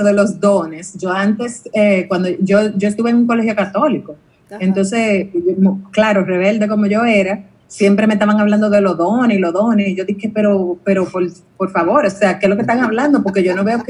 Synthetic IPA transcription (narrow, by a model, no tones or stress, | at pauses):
oðe̞lo̞sd̪o̞ne̞sʝo̞ant̪e̞sekwand̪oʝo̞ʝo̞est̪uβeŋuŋko̞le̞ɦjo̞kat̪o̞liko̞ | e̞nt̪o̞ns̬esmklaɾo̞re̞βe̞ld̪e̞ko̞mo̞ʝo̞e̞ɾa | sje̞mpɾe̞me̞s̬t̪aβaŋaβland̪o̞ðe̞lo̞ðoneilo̞ðo̞neiʝo̞ðihe̞pe̞ɾo̞pe̞ɾo̞poɾ | po̞ɾfaβo̞ɾo̞se̞akeslo̞kest̪aŋaβland̪opo̞ɾke̞ʝo̞no̞βe̞ok